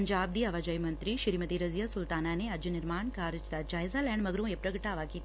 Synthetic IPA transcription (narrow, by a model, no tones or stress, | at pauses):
ɲd͡ʒaːb̚d̪iɐʋaːd͡ʒɐjmɐnt̪ɾiʃiɾimɐt̪iːɾɐzjasult̪aːnaːneɐd͡ʒɐnɪɾmaːɳkaːɾɪt͡ʃt̪ad͡ʒaːjzaːlɛːɳɖmɐɡɾõːepɾɐkɐʈːaːʋaːkit̪